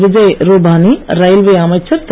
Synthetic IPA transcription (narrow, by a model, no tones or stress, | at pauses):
ʋɪd͡ʒɐjɾoːbʱaːniɾɐjlʋeaːmɐt͡ʃʰɐɾt̪